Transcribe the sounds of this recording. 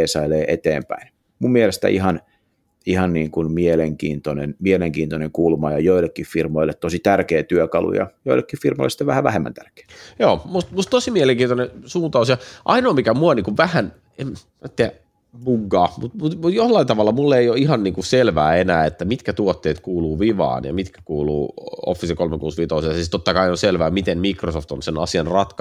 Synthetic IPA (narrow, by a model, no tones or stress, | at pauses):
eːsɑileːʔet̪ḛːmpæ̰in | mummielest̪æ̰ihɑn | ihɑnniːŋkunmieleŋkḭːnt̪onenmieleŋkiːnt̪oneŋkulmɑjɑjoilːˑekːiffirmoilːet̪t̪osit̪ærkeːt̪yøkɑlṵjɑ̰joilːˑekːiffirmoilːesi̥t̪eʋæhæʋæ̰hemːæ̰nt̪ærke̥ːjoːmust̪must̪osimieleŋkiːonesuːnt̪ɑusjɑʔɑinoːmikæmuɑniːŋkuʋʋæhæn | em | et̪ːeæ | muŋkːɑːmut̪mut̪mujohlɑint̪ɑʋɑlːɑmulːeijoiɦɑnniːŋkuselʋæːenæːet̪ːæmit̪kæt̪uot̪ːeːt̪kuːluːʋiʋɑ̰ːnjɑ̰mit̪kæ̥kuːlṵːo̰fːisekolmekuːsʋit̪ousjɑsist̪ot̪ːɑkɑioselʋæːmit̪enmikrosoft̪onsenɑsiɑnrɑt̪kɑ